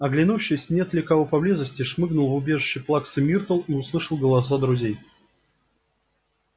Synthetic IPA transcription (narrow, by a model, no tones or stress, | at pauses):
ɐɡlʲɪnuɕːɪjsʲnʲet̪lʲɪkɐvopɐblʲezəsʲtʲɪʂmɨɡnʊlˠvʊbʲe̞ʐɨɕːɪjplˠaksɨmʲirt̪əlˠiʊslˠɨʂəlˠɡəlˠɐs̬ad̪ɾʊzʲej